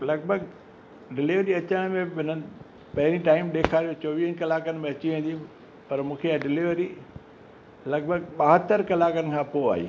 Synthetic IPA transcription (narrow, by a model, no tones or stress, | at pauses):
lɐɡ̚bʱəɡ | ɖɪliʋɾiɐt͡ɕəɽ̃mẽɦɪn̤ənɪ̆ | pɐɦɪɾĩʈaːɪmɗ̪eːkʰaːɾijot͡ɕoːʋiːɦənkɐlaːkənɪ̆mẽɐt͡ɕiʋẽːn̆d̪i | pɐɾmũːkʰeaɖɪliʋɾi | lɐɡ̚bʱəɡ̚ɓaːɦət̪əɾkɐlaːkənɪ̆kʰãːpoa̰ːɦḭː